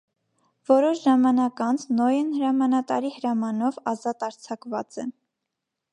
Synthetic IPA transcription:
vɔɾɔʃʒɑmɑnɑkɑnt͡sʰnɔjənhəɾɑmɑnɑt̪ɑɾihəɾɑmɑnɔvɑzɑt̪ɑɾt͡sʰɑkvɑt͡sɛ

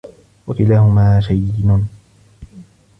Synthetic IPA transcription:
wakɪlaːhʊmaːʃajɪnːn

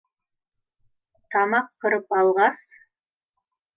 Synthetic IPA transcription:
t̪ʰɑmɑqkːəɾəpɑlˠʁɑs

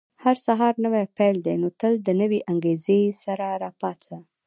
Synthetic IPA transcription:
haɾsaɦɑɾnəwapɛjld̪ejnot̪əld̪ənəweʔaŋɡezesaɾaɾɑpɑt͡sa

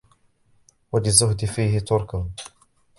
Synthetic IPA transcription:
walɪzːʊhd̪ɪfiːhɪt̪ʊɾˤkʊm

